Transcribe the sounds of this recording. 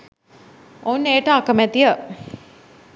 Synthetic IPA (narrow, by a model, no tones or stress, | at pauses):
ouneːʈəakəmæt̪ijə